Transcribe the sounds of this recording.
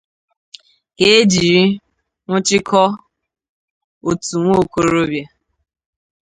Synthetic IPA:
ke˦e˦d͡ʒi˨ɾi˦ | ŋʷʊ˦t͡ʃɪ˦kʰɔ˦ | o˨tu˨ŋʷo˦˨ko˨ɾo˦bja˦

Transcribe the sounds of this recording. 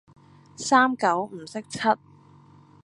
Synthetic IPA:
saː˥mkɐ˨˥wm̩˨˩sɪ˥k̚t͡sʰɐ˥t̚

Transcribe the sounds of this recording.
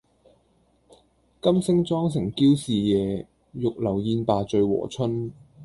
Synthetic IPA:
kɐ˥msɪ˥ŋt͡sɔː˥ŋsɪ˨˩ŋkiː˥wsiː˨jɛː˨˧ | jʊ˨k̚lɐ˨˩wjiː˧npaː˨˧t͡ʃɵ˨˧ɥwɔ̰ː˨˩t͡ʃʰɵ˥n

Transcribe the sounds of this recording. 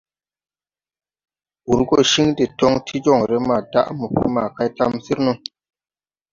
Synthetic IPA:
ʔu˨ɾɡo˦˨ʃi˦ŋde˨to˦ŋtʰi˦d͡ʒɔ˦˨ŋɾe˦ma˨da̰˦ʔmu˨pḭ˦ma˨ka˦jta˦msi˦ɾnu˦

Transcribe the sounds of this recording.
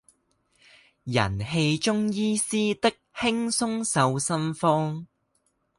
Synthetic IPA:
jɐ̰˨˩nhe˧jt͡ʃʊ˥ŋjiː˥siː˥t̪ɪ˥k̚hɪ˥ŋsʊ˥ŋsɐ˨˧wsɐ˥nfɔː˥ŋ

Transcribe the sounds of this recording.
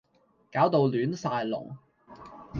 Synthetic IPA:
kaː˨˥wt̪o˨˧wlyː˨˥nsaː˧jlʊ̰˨˩ŋ

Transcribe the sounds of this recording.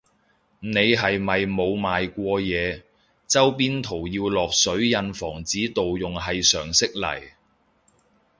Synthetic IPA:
ne˨˧jɦɐ˨jmɐ˨jmo˨˧wmaː˨jkʷɔː˧jɛː˨˧ | t͡sɐ˥wpiː˥nt̪ʰo˨˩wjiː˧wlɔː˨k̚sɵ˨˥ɥjɐ˧nfɔː˨˩ŋt͡siː˨˥t̪o˨wjʊ˨ŋɦɐ˨jsœː˨˩ŋsɪ˥k̚lɐ̰˨˩j

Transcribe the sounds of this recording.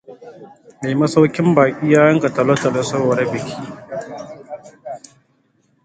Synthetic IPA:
meː˨mɐ˦sa˦wkʲɪ˦mbaː˨kʲʼiː˦jaː˦jɐ˦ŋka˨tɐ˨lo˦tɐ˨lo˦sɐ˦wɐ˨ɾɐ˦bɪ˨kʰʲiː˦

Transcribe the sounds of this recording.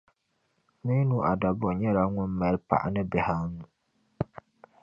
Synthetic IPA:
mi˦nũ˦ʔa˨da˨bɔ˨ɲɛ˦ɾa˨ŋʊ˦nmɛ˨lpa̰˨ʔa̰˨nɨ˦bɛ˨ha˦ŋũ˨

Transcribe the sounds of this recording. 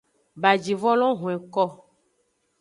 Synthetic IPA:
ba˨d͡ʒi˨vɔ˦lɔ̃˦ɦũ˨ɛ˨kɔ˦

